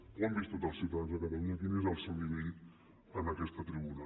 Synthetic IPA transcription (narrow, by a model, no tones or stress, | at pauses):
ambist̪ot̪alˠsːiwt̪aðanzðəkət̪əluɲəkinezəlˠsewdiβit̪ | ənəkɛst̪ət̪ɾiβuna